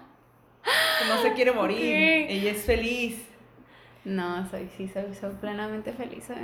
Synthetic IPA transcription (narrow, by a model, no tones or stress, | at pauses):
nosekje̞ɾemoɾiiɾeʝaesfe̞lis | noso̰jsisojsojplenamẽnt̪e̞fe̞lḭso